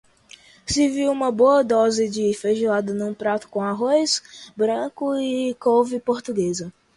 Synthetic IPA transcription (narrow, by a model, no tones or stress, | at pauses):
sɪviwũmɐboɐd̪ɔzɪd͡ʒɪfeʒuad̪ɐnũpɾat̪ʊ̥kõaɦojsbɾɐ̃kʊɪkowvɪpoɾt̪uɡezɐ